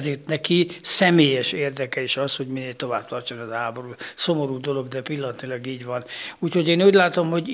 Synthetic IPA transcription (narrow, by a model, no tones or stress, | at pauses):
zeːrt̪nɛkisɛmeːjɛʃeːrd̪ɛkɛiʃɒsho̞ɟmineːlt̪o̞vaːb̚t̪ɒrt͡ʃonɒzɦaːbo̞ɾuːso̞mo̞ɾuːd̪o̞lo̞ɡd̪ɛpilːɒnɒt̪ilɒɡiːɟʋɒnuːcho̞ɟeːnuːɟʲlaːt̪o̞mho̞ɟ